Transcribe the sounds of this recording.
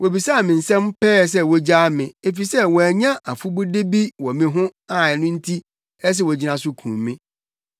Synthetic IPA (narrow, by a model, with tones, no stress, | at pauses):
wo˨bi˨sa˦˨mɪ̃˨n̩˨sɛ̃˦m˦pɛː˦s̬ɛ˦wɔ˦d͡ʑaː˦mɪ̃˨e˦fi˨sɛ˦wɔ˨æ˨ɲã˦ʔa˨fu˦bu˦de˦bi˦wɔ˨mĩ˦ɦʊ̃˦a˨ɛ˨nʊ̃˦n̩˦tʰi˦ | ɛ˦s̬ɛ˦˨wɔ˨d͡ʑi˦nã˨sʊ˦kʰṵ̃˨mmːɪ̃˦